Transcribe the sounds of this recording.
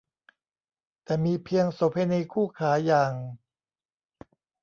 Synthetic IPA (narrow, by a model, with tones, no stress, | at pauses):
t̪ɛː˨˩miː˧pʰi˧əŋso˨˦p̚ha˧jna˧kʰuː˥˩kʰaː˩˦jaː˨˩ŋ